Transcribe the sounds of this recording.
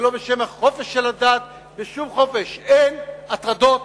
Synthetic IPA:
lo̞beʃe̞mhaχo̞fe̞ʃːelad̪aːt̪̚ | beʃumχo̞feʃenat̪ʁad̪o̞t̪

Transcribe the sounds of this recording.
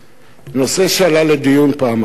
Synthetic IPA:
nɔseʃalaledijunpama

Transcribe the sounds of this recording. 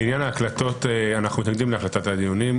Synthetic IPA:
injanaːklat̪o̞t̪eanaχnumit̪naɡd̪imleaχlat̪atad̪ijunim

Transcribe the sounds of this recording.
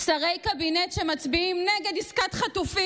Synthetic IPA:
saʁejkabinetʃemat͡sbiimneɡed̪iskatχatufi

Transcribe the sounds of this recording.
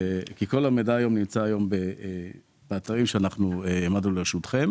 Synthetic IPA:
kiko̞lamed̪aːjo̞mnimt͡saːjo̞mbe | b̥eat̪aʁimʃeanaχnueemad̪nuleʁʃut̪χe̞m

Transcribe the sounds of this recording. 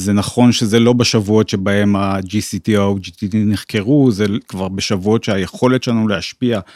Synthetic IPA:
zenaχo̞nʃezelo̞beʃavuo̞tʃe̞bae̞mad͡ʒisit̪iawd͡ʒit̪idiniχke̞ʁuzekvaʁbeʃavuo̞tʃeajeχo̞let̪ʃelanuleaʃpia

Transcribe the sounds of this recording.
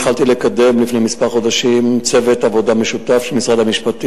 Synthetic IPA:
χalt̪ilekade̞mlifne̞jmispaʁχo̞d̪aʃimt͡se̞vetavo̞dameʃut̪afʃelmisʁad̪hamiʃpat̪i

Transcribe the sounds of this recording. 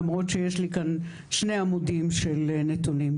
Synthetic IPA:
mʁot̪ʃejeʃlikan | ʃneamud̪imʃelnet̪unim

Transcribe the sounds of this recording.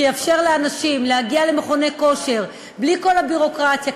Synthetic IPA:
ejafʃe̞ʁleanaʃimlehaɡialemeχo̞ne̞ko̞ʃe̞ʁ | bliko̞labiʁo̞kʁat̪ja

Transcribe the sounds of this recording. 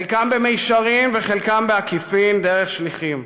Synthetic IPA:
lkambemejʃaʁimveχelkambeakifimd̪eʁeχʃliχim

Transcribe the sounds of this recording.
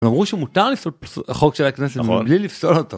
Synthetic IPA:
mamʁuʃemut̪aʁlifsolχokʃelakneset̪blilifsolot̪o

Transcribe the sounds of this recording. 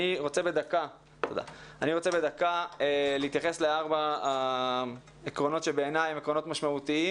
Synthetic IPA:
iʁo̞t͡sebe̞d̪aka | t̪od̪a̰aniʁo̞t͡se̞be̞d̪akaeleit̪jaχe̞sleaʁba | ekʁo̞no̞t̪ʃebeːnajemekʁono̞t̪maʃmaut̪ii

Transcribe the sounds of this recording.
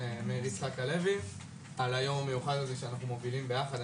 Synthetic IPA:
meʁisχakale̞vi | alajo̞mamejuχad̪lezeʃeanaχnumo̞vilimbe̞jaχad̪

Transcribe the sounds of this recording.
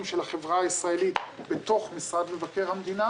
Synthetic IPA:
mʃelhaχevʁaːisʁaelit̪bet̪o̞χmisʁad̪mevake̞ʁhamd̪ina

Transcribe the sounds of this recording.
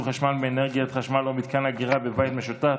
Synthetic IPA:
χaʃmalbeːneʁɡiat̪χaʃmalomit̪kanaɡiʁabevajt̪meʃut̪a

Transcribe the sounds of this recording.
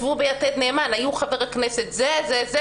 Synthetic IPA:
vubejat̪ed̪neːmanajuχaveʁaknɛset̪zezɛz

